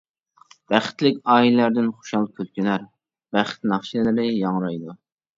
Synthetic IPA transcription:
b̥æχɪ̥t̪lɪkʲɑːillæɾd̪ɪnχo̥ʃɑlˠkʲʰølkʲynæɾ | b̥æχɪ̥t̪nɑχʃilɪlɪɾɪjɑŋɾɑjd̪u

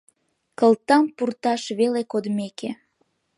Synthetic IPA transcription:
kəlt̪ɑmpurt̪ɑʃβelekod̪meke

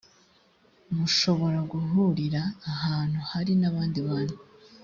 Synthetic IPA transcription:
muʃo̞βo̞ɾaɡuɦuɾiɾaːhaːn̥huhaɾinaβaːndiβaːnu

